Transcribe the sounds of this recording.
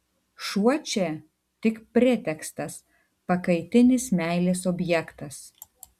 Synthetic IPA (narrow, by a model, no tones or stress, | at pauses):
ʃuɔt͡ʃʲɛ | t̪ʲɪkpʲɾʲɪt̪ʲɛkst̪ɐs | pɐkɐɪt̪ʲɪnʲɪsmʲæˑɪlʲeːsɔbʲjɛkt̪ɐs